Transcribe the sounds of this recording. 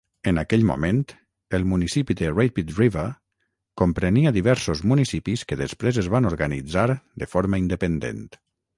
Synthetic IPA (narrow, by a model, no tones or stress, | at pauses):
ənakɛʎmṵment̪ | əlˠmunisipid̪ərejpit̪rivə | kompɾəniəðiβɛɾsozmunisipiskəðəspɾezəzβanoɾɣənḭd͡zaɾd̪əfɔɾməind̪əpənd̪ḛnt̪